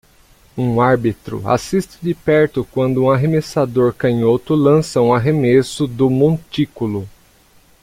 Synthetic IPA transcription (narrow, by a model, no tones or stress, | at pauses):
ũaɾbit̪ɾʊ̰a̰sist͡ʃɪ̥d͡ʒɪpɛɾt̪ʊkwɐ̃nd̪ʊũaɦemesad̪oɾkɐ̃ɲot̪ʊlɐ̃sɐũaɦemesʊd̪ʊmõt͡ʃikʊlʊ